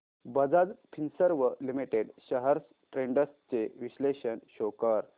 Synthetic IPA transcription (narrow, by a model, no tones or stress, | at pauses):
bəd͡zad͡zpʰinsəɾʋəlimiʈeɖɕəɦəɾs | ʈɾẽɳɖəst͡seʋiɕleɕənɕokəɾ